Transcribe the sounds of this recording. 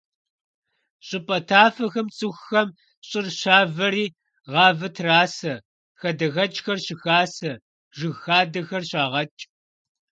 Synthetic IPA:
ɕʼɪpʼɐtʰaːfɐxɐmt͡sʼɨxːɐm | ɕʼɪrɕaːvɐɾiː | ʁɑːvɐtʰraːsɐ | xɐdɐɣɐt͡ʃʼxɐrɕɪxaːsɐ | ʒɨɣxaːdɐxɐrɕaːʁɐt͡ʃʼ

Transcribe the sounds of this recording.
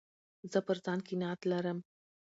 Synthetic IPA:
zɐpəɾd̪aːnkinaːt̪lɐɾɐm

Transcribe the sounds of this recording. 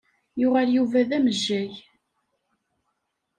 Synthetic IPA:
jʊʁæljuvæðæməʒːæj

